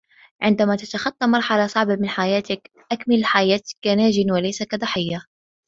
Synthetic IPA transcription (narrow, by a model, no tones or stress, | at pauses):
ʕɪnd̪amaːt̪at̪axɑt̪ˤːɑmɑɾˤħalasˤɑʕbamɪnħajaːt̪ɪk | ʔakmɪlħajaːt̪kːanaːd͡ʒɪnwalajsakad̪ˤɑħɪjːa